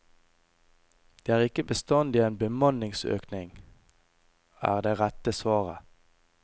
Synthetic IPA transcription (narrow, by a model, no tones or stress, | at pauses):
d̪̥eːæːʁɪkəbəst̪ɑnd̪iːeːnbəmɑnɪŋsø̰ːknɪŋ | æ̰ːʁd̪eːʁæt̪əsʋɑːʁə̰